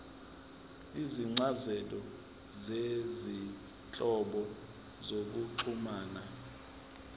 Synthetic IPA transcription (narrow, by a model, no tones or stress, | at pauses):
iziŋ͡ǀazɛtʼɔ | zezi | t͡ɬʼɔɓɔ | zok̬uǃʰumaːna